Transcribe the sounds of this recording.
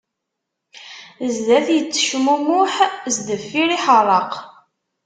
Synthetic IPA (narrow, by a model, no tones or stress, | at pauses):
zðæθjət͡sːə̥ʃmumʊħzd̪əfːiɾiħəɾˤəq